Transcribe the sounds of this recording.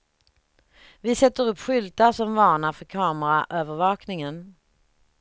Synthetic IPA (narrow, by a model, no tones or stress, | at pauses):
vɪsɛt̪ːəɾɵpːɧʏlt̪aʂɔmvɑːɳafœɾkʰɑːməɾaʔøːvəɾvɑːknɪŋən